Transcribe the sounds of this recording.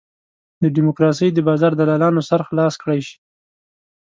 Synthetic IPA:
d̪əɖɪmʊkɾɑs̬əjd̪əbɑzɑɾd̪alɑlɑnosaɾxlɑskɽajʃi̥

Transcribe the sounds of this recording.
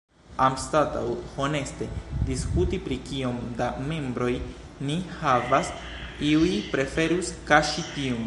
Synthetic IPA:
amstata̰who̞ne̞ste̞diskutipɾikio̞mdame̞mbɾo̞j | nihavas | iujpɾe̞fe̞ɾuskaʃitiun

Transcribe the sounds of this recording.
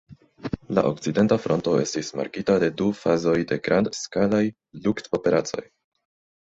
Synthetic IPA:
la̰ʔo̞k̚t͡side̞ntafɾo̞nto̞e̞̰stisma̰ɾkitade̞dufazo̞jde̞ɡɾʔandskalaj | lukto̞pe̞ɾat͡so̞̰j

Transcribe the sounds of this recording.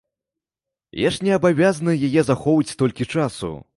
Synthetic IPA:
jaʂnʲɛɐbavʲaznɐjajɛzaxɔvɐt͡sʲt̪ɔlʲkʲit͡ʂasṵ

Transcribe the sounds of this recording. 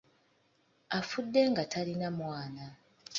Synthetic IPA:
afudːe̞ŋɡatʰalinamwaːna

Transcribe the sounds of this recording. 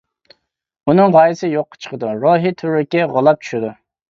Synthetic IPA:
unɨŋʁɑjɪsɪjoqːɑ̥t͡ʃʰə̥qʰəd̪uɾoːɦit̪ʰuɾɪkʲɛʁɑlˠɑp̚t͡ʃʰy̥ʃɪd̪u

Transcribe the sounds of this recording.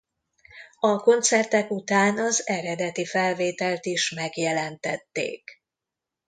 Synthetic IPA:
ɒko̞nt̪sɛrt̪ɛkut̪aːnɒzɛɾɛd̪ɛt̪ifɛlveːt̪ɛlt̪iʃmɛɡjɛlɛnt̪ɛt̪ːḛːk

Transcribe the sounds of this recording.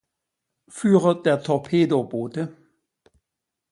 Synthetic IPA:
fyːʁəd̥eːɐtʰɔʁpʰeːdob̥oːtə

